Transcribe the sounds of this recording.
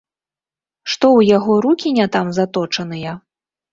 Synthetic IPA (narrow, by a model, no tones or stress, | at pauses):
ʂt̪ɔwjaɣɔɾukʲinʲat̪amzat̪ɔt͡ʂɐnɨjɐ